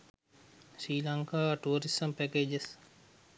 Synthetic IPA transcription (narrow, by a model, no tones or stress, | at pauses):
ʃiːlaŋkaːʋaʈuːɾisəmpækeːd͡ʒes